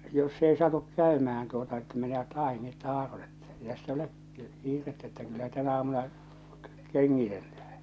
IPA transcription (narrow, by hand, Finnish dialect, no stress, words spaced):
jos s ei sɑtuk kæˑymæhæn tuotɑ etːæ meneʋæt ɑˑineːt tɑːron etːæ̥ ei tæsː olek kiːretːæ etːæ kylːæ tænæ ɑːmunɑ keŋːitelːæhæ̥n̥